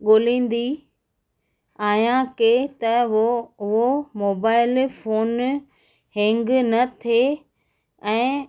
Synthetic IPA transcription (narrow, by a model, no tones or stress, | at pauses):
ɠoːlĩːn̆d̪i | aːjãket̪ɐ | ʊɦomoːbaːɪlfoːn | hɪ̃ŋɡnɐt̪ʰe | ɛ̃ː